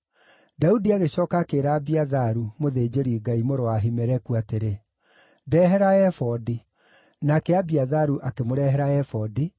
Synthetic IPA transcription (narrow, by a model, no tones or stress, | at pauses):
daudiaɣeɕɔːkaːkeːɾaːbiaðaɾumoðeːd͡ʑeɾiɡaimoɾoaɦimɛɾɛkuateɾe | dɛɦɛɾaɛfɔdi | nakɛabiaðaɾuʔakemoɾɛɦɛɾaɛfɔdi